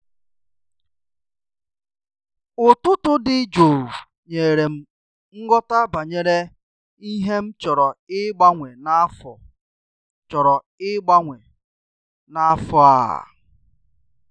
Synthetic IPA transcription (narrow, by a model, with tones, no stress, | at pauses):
ʊ˨tʊ˦tʊ˦dɪ˦d͡ʒo˨ | ɲe˨ɾe˨m̩˨ | ŋ̩˦ɡɔ˦ta˦ba˨ɲe˨ɾe˦ | i˦ɦe˦m̩˦t͡ʃɔ˨ɾɔ˨ɪ˦ɡ͡ba˦ŋʷe˨na˦fɔ˨ | t͡ʃɔ˨ɾɔ˨ | ɪ˦ɡ͡ba˦ŋʷe˨ | na˦fɔ˦a̰˨